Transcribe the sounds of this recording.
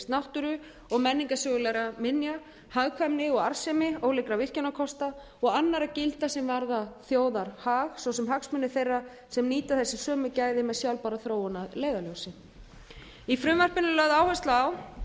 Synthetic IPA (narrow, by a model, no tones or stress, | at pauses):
st̪nawht̪ʏɾʏ | ɔɣmɛnːiŋkasœɣʏlɛɾamɪnja | haɣkʰvamnɪɔɣaɾ̥sɛmɪowlɪkɾavɪr̥canakʰɔst̪a | ɔɣanːaɾacɪlt̪asɛmvaɾðaθjoːwðaɾ̥haːɣsɔwsɛmɦaksmʏnːɪθejrːa | sɛmniːt̪aθɛsːɪsœːmʏcaːjðɪmɛðsjawlpaɾaθɾoːwanaðleːjðalœwsɪ | ifɾʏmvar̥pɪnɪlœɣðaːwhɛst̪laːw